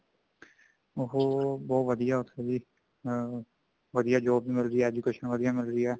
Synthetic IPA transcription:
oɦoːbɔːʋəd̪ijaːʊt̪ʰːebiː | ʋəd̪ijaːd͡ʒoːbbiːmɪlɾiaːɛːd͡ʒuːkeːʃənʋəd̪ijaːmɪlɾiːɛː

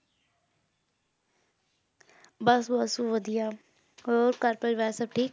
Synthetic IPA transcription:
bəsɦuːəsũːʋəd̪ijaː | oːɾkəɾpəɾʋɛsəb̚ʈʰiːk

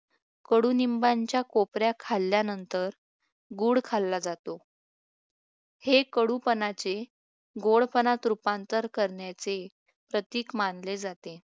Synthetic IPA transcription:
kəɽunimbaɲt͡ɕjakopɾjakʰalːjanənt̪əɾ | ɡuːɽkʰalːad͡zat̪o | hekəɽupənat͡se | ɡoɭpənat̪ɾupãnt̪əɾkəɾɳjat͡se | pɾət̪iːkmanled͡zat̪e

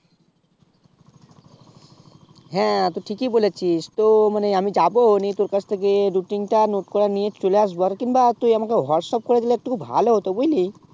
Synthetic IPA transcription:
ɦɛ̃t̪oʈʰikibolet͡ɕʰist̪omaneamid͡ʑabonit̪oɾkat͡ɕʰt̪ʰekeɖuʈiŋʈanoʈkɔɽaniet͡ɕoleaʃ̬baɾkinbat̪ujamakeɦɔɾsɔp̚koɾed̪ileɛk̚ʈukʰubʱa̰loɦot̪obojli

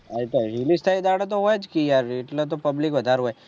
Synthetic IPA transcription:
ait̪oɾilist̪ʰaid̪aɽot̪̬oɦojt͡ʃkijaɾɪʈlot̪̬opəblikʋəd̪ʱaɾɦoj

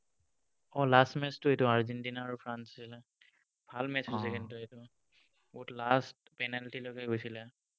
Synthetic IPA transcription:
ɔlastmɛstuetuaɹzɛntinaːɹupʰɹanssilɛ | bʱalmɛssɛkɛntuetu | utlastpɛnalʈilɔɡaɡojsilɛ

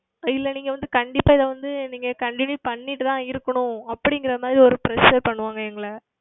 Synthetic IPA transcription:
ɪlːɐniːŋɡɐʋɐnd̪ɯkɐɳɖɪpːaːɪðɐʋɐnd̪ɯniːŋɡɐkɐɳʈɪnjuːpɐɳːɪʈːɯt̪ãːɪɾɯkːɐɳʊ̃ɐpːɐɽɪŋɡɪɾɐmaːd̪ɾiɔɾɯpɪɾɛʂɐɾpɐɳːɯʋaːŋɡɐɛŋɡɐɭɐ

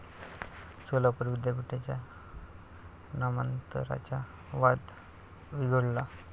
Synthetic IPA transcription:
solapəɾbid̪japiʈat͡ɕja | namənt̪ə̰ɾa̰t͡ɕa | ʋad̪ | ʋiɡʱəɽla

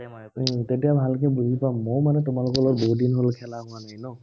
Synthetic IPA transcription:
tetijabbʱalkɛbuzipamːojmanɛtʊmalʊkɔlɔɹboɦudinɦolkʰɛlaɦʊananɔ

